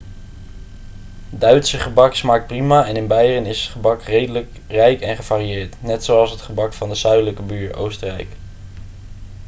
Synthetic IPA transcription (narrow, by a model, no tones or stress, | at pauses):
dœɥtsəχəbɑksmaːk̚t̚primaːɛnɪnbɛjrənɪsətχəbɑkrejdələk | rɛjkɛnχəv̥aːrijɪːɹtnɛtsoɑlˠsɦətχəbɑkfɑndəzœɥdələkəbyːɹo̰wstərɛ̰jk